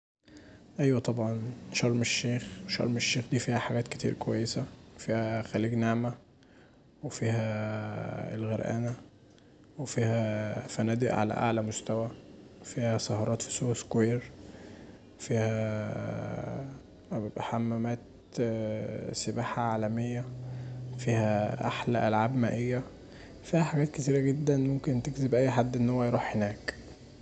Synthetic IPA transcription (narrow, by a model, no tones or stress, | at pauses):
ʔæjwæt̪ˤɑbʕɑnʃɑɾˤmeʃːeːxʃɑ̰ɾˤmeʃːeːxd̪iːfiːhæħaɡæːt̪ket̪ḭːɾkowæjːesæfiːhæxæliːɡneʕmæ | wefiːɦæ | ḛlɣeɾʔæ̰ːnæ | wefiːhæfænæːd̪eʔʕa̰læ̰ʔa̰ʕlæmost̪æwæfiːhæsɑhɑɾˤɑːt̪fi̥soskejeɾ | fiːhæ | bʔħamːæmæːt̪ | sebaːħaʕaːlæmejːæ | fiːhæʔa̰ħlæʔælʕaːbmæːʔejːæ | fiːhæħaɡæːt̪ket̪̬iːɾæɡed̪ːænmomkent̪ekzebʔæjːħad̪ːʔenːhowːæjɾˤuːħhenæːk